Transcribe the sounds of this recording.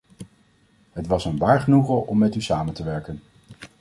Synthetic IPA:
ɦətʋɑsənʋaːɹχənuχəʔɔmːɛtysaːməntəʋɛɹkən

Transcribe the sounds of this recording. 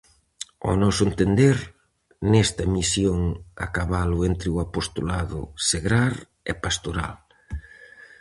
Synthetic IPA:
o̰nɔsʊent̪end̪eɾ | nest̪ɐmisjoŋa̰kaβalʊent̪ɾɪʊapost̪olaðʊ̰seɣɾaɾ | ɛ̰past̪oɾa̰l

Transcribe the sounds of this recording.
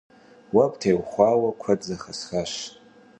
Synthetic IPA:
wabtʰajwχʷawakʷʰadd͡zaχasχaʂ

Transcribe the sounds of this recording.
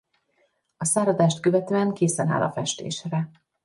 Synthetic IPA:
ɒsaːɾɒd̪aːʃt̪køvɛt̪øːɛŋkeːsɛna̰ːlʔɒ̰fɛʃt̪ḛːʃrɛ

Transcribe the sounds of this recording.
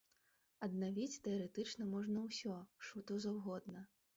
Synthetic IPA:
ɐd̪navʲit͡sʲt̪ɛɐɾɛt̪ɨt͡ʂnɐmɔʐnɐwsʲɔʂut̪ɔwzawɣɔd̪nɐ

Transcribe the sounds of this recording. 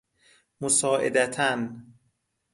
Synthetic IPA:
mosɒːʔḛd̪æt̪ʰæn

